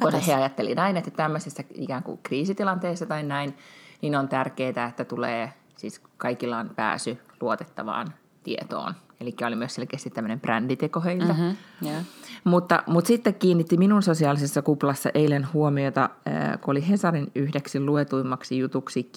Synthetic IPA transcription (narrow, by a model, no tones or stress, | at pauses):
osheɑjɑt̪ːelḭnɑinet̪ːæt̪æmːøsesːæḭkæːŋkṵkriːsit̪ilɑnt̪eːsːɑt̪ɑinnæinninont̪ærkeːt̪æet̪ːæt̪uleː | siskɑikilːɑːnpæ̰ːsyluot̪e̥t̪ːɑʋɑ̰ːn | t̪iet̪o̰ːn | elikːæolimyøselkest̪it̪æmːønemprændit̪ekoheilt̪ɑ | mut̪ːɑ̰mut̪sit̪ːekkiːnːit̪ːiminunsosiɑːlisesːɑkuplɑsːɑ̰ʔeilenhuomiot̪ɑø̰kooliɦesɑrinyhdeksilluet̪uimːɑksijut̪uksikː